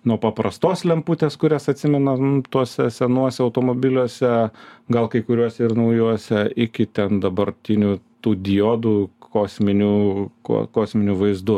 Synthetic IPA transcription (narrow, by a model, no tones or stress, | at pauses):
nuɔpɐpɾɐst̪oːslʲɛmpuːt̪ʲeːskʊɾʲɛsɐt̪ʲsʲɪmʲɛnɐt̪uɔsʲɛsʲɛnuɔsʲɛɐʊt̪oːmoːbʲɪlʲuɔsʲɛɡɐlˠkɐɪkʊɾʲuɔsʲɛɪrnɐʊjuɔsʲɛɪkʲɪt̪ʲɛnd̪ɐbɐrʲt̪ʲɪnʲuːt̪uːd̪ʲɪjoːd̪uːkoːsʲmʲɪnʲuːko̰koːsʲmʲɪnʲuːʋɐɪzd̪ʊ